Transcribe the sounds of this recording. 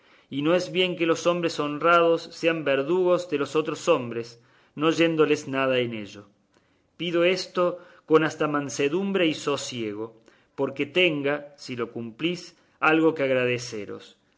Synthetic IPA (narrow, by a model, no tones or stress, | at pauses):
ino̞ezβje̞ŋke̞lo̞so̞mbɾeso̞nrað̞osːeambeɾðuɣ̞o̞zðeloso̞t̪ɾoso̞mbɾes | no̞ʒe̞nd̪o̞leznaðaene̞ʒo̞ | piðo̞e̞st̪o̞ko̞nast̪amãnseðumbɾe̞iso̞sje̞ɣ̞o̞ | poɾke̞t̪e̞ŋɡasilo̞kumplis | alɣo̞keaɣɾað̞esḛɾo̞̰s